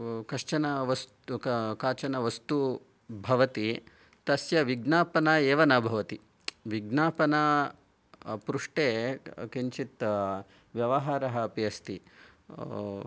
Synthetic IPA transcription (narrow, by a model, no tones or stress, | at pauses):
kɐʂt͡ʃɐnɐʋɐstkaːt͡ʃɐnɐʋɐst̪u | bʱɐʋɐt̪i | t̪ɐsjɐʋiɡnaːpɐnɐeːʋɐnɐbʱɐʋɐt̪i | ʋiɡnaːpɐnɐ | pɾuʂʈeːkiɲt͡ʃit̪ | ʋjɐʋɐɦaːɾɐɦɐːpijɐst̪i